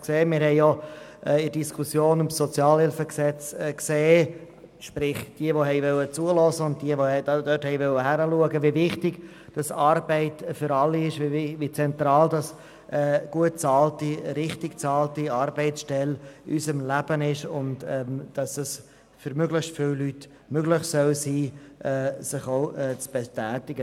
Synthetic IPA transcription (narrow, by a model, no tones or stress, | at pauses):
kseːmɪːɾhɛɪjɔʔɛɪd̥iskʰusjoːnʊmsɔt͡sjɑːlhɪlfəksɛt͡skseː | ʃpɾɪχd̥iəʋoɦɛɪvœlːət͡suəlɔzəʊnt̚d̥iəvoɛdd̥œthɛɪvœlːəɦæɾəluəɡəvivɪχtɪɡ̥ | d̥ɑsɑɾbɛɪtfʏɾɑlːiɪʃvivit͡sɛnt̪ɾɑːldɑs | ɛɡ̥uət̚t͡sɑːltiɾɪχtɪɡ̥t͡sɑːltiɑːɾbɛɪtt͡sʃtɛlysəmlæb̥ənɪʃʊntɛmd̥ɑsəs | fʏɾmøɡlɪχstfɪwlyt | møɡlɪχsœlsiːʔɛsɪχoʊɛːt͡sb̥ɛtæːtɪɡə